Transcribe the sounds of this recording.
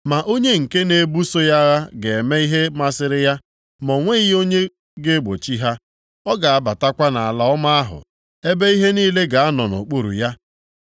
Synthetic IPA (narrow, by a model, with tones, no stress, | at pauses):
ma˨ʔo˦ɲe˦ŋ̩˨ke˦ne˦bu˦so˦ja˦ɣa˦ɡe˨me˦i˦ɦe˦ma˦sɪ˦ɾɪ˦ja˦ | mɔ˨ŋʷe˦i˦o˦ɲe˦ | ɡe˦ɡ͡bo˨t͡ʃi˦ɦa˦ | ɔ˦ɡa˨a˦ba˨ta˦kʷa˦na˨a˨la˨˦ɔ˦ma˦a˦ɦʊ̰˨ | e˦be˦i˦ɦe˦niː˦le˦ɡa˨a˦nɔ˨nʊ̰˨k͡po˦˨ɾṵ˨ja˦